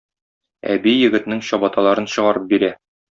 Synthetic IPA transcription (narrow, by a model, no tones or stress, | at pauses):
æ̰bijɘ̆ɡɘ̆t̪nɘŋɕɒbɑt̪ɑlˠɑɾɤnɕɤ̆ʁɑɾɤp̚biɾæ